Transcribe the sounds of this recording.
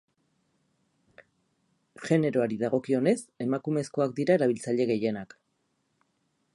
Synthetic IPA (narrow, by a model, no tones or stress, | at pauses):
ʝe̞ne̞ɾo̞aɾiðaɣ̞o̞kio̞ne̞se̞makume̞sko̞ak̚d̪iɾae̞ɾaβ̞ilt͡saʎe̞ɣe̞je̞nak